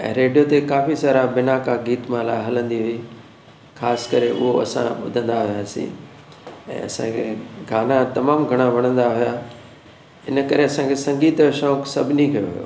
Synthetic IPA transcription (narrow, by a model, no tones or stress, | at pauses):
ɛ̰̃ːɾeːɖijot̪ekaːfisaːɾabɪnakaɡiːt̪mãlaɦɐlə̃nd̪iɦʊi | xʰaːskɐɾeʔʊ̰ɦoɐ̰sã̰ɓʊd̪ʱə̃nd̪aɦʊjaːsḭ̃ | ɛ̰̃ːɐsã̰kʰḛɡʱaːnat̪ɐmaːmɡʱɐɽ̃aʋɐɽ̃ə̃nd̪aɦʊja | ɪnəkɐɾeɐsãkʰesɐ̃ŋɡiːt̪ʃɔːksɐbʱɪnikɐjo̰ɦʊjo̰ː